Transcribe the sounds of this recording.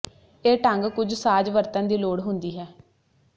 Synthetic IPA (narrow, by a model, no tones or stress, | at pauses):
eːʈəŋɡkʊd͡ʒsaːd͡ʒʋəɾt̪ãnd̪iːloːɽɦʊnd̪iːɦɛː